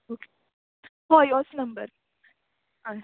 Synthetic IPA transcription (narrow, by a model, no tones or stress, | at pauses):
oːke̥ | ɦɔjɔsnɐ̃mbəɾ | a